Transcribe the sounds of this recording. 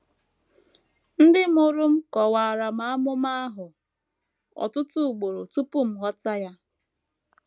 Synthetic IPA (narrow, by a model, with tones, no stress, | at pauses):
n̩˦dɪ˦m˦o˦ɾʊ˦m̩˦kɔ˨waː˨ɾa˨ma˦a˦mʊ˦ma˦a˦ɦʊ˨ | ɔ̰˨tʊ˦tʊ˦˨ɡ͡bo˨ɾo˨tu˦pʊ˦m̩˨ɦɔ˦ta˦ja˦